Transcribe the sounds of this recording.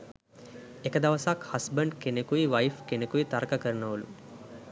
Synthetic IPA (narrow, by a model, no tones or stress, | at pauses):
ekəd̪aʋəsakhasbəɳɖkenekuʋiʋajfkenekuit̪aɾkəkəɾənəʋulṵ